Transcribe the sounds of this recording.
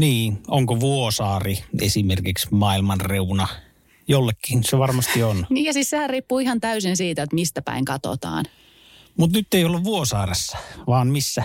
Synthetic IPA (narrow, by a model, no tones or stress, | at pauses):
niːnoŋkoʋuosɑːriḛsimerkiksmɑːilmɑnreunɑ | jolːekːiːnseʋɑrmɑst̪ionniːjɑsissehærriːpːuːihɑnt̪æysinsiːt̪æet̪mist̪æpæ̰iŋkɑt̪o̰t̪ɑ̰ːn | mut̪nyt̪ːeijolːuʋʋuosɑːresːɑ̥ʋɑːnmisːæ